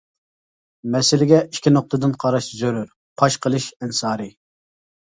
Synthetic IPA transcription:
mɛsɪlɪɡʲɛikʲʰinoq̚t̪ʰɨd̪ɨnqʰɑɾɑʃzøɾyɾ | pʰɑʃqʰəlˠɨʃɛnsɑːɾɨ

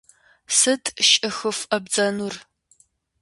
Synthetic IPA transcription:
sɨtʰʃʼɨxɨfɐbd͡zɐnur

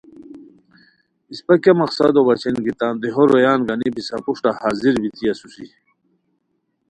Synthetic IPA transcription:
ispakjamaqsad̪obɐt͡ɕinɡit̪aːnd̪iɦoɾojaːnɡanipisapuʂʈahaːziɾbit̪iasusi

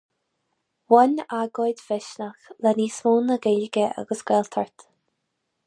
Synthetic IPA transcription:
wɔnʲaɡɔjd̪fɪʃnaxlɛniːsmuːnəɡɪlɡəʔa̰ɡəsɡ̥ɛlt̪ʰəɹt̪

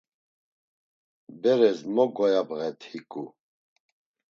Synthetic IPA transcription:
bɛɾɛzmɔɡɔjabɣɛt̪ʰhikʼu

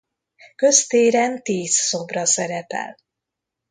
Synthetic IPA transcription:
kø̞st̪eːɾɛnt̪iːzso̞brɒsɛɾɛpɛ̰l

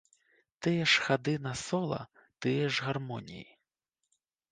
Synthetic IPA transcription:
t̪ɪjɛʃxɐd̪ɪnɐsɔlˠɐ̰ | t̪ɪjɛʒɣɐrmɔnʲḭji

